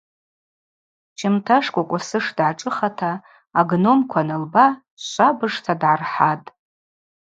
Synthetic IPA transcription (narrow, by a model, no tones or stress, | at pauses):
t͡ʃʰɪmtʰaʂkʷʼakʷʼasɨʂdʕaʈ͡ʂʼɨχatʰaː | ɡno̞mkʷʰanɨlba | ʃʷabɨʂtʰadʕarħatʼ